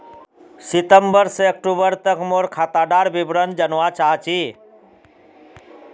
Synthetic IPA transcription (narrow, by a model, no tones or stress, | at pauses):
sit̪əmbəɾseək̚ʈubəɾt̪əkmoɾkʰat̪aɖaɾbibɾənd͡ʒənʋat͡ʃaɦt͡ʃʰi